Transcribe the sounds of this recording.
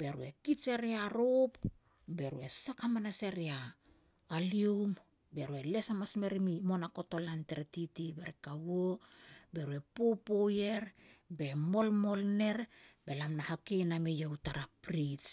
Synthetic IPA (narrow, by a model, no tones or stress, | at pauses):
b̥e̞ɾue̞kit͡ʃeɾiaɾop | be̞ɾuesakamanaseɾiaː | liom | be̞ɾue̞le̞samasme̞ɾimimo̞nako̞to̞lanteɾetitibeɾekawobe̞ɾue̞popoje̞ɾbe̞mo̞lmo̞lne̞ɾbe̞lamnahakejnamejawtaɾapɾis